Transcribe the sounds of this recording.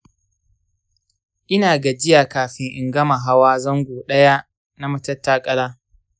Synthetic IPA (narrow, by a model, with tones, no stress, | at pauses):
ʔɪ˦naː˨ɡa˨d͡ʒɪ˦jaː˨kaː˨ɸɪ˦ŋʔɪ˨ŋɡɐ˦ma˨ɦa˦waː˦zɐ˦ŋɡʷoː˨ɗɐ˦ja˦ | na˦mɐ˦tɐ˦tːaː˦kʼɐ˦laː˦